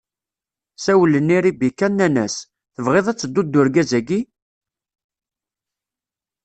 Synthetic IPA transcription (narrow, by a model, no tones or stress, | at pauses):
sæwələnːiɾibikːænːænæ̰s | θəvʁeðˤæt͡sːəd̪ːud̪ːʊɾɡæzæɡi